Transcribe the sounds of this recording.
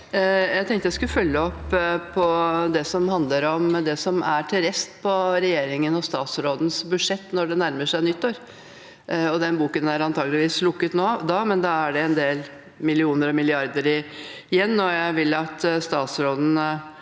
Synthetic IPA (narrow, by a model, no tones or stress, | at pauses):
jæɪt̪ʰɛŋt̪əjæɪskʉlfœlːəɔpːpʰːɔd̪ɛsɔmhɑnd̪ləɾɔmd̪ɛsɔmæʈʰɪlɾɛst̪pʰɔɾɛjeːɾɪŋənɔst̪ɑːt̪sɾoːd̪n̩sbʉd̪ʂɛt̪ːnɔɖɛnæɾməʂæɪnʏt̪ːoːɾ | ɔd̪ɛnbuːkənæɾɑnt̪ʰɑːɡlɪʋiːslʊkːət̪noːd̪ɑːmɛnd̪ɑæɖɛɛnd̪eːl | mɪlɪuːnəɾɔmɪlɪɑɾd̪əɾɪjɛnːɔjæɪʋɪlːɑt̪st̪ɑːt̪sɾoːd̪n̩